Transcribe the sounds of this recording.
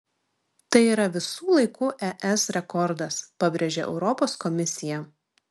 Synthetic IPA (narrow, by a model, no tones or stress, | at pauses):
t̪ɐɪiːɾɐʋʲɪsuːlˠɐɪkuːʔɛʔɛsɾʲɛkɔɾd̪ɐspɐbʲɾʲeʒʲeʔɛ̰ʊɾɔpoːskɔmʲɪsʲɪjɛ